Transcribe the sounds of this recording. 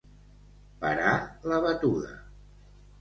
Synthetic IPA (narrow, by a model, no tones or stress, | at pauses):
pəɾaləβət̪uðə̰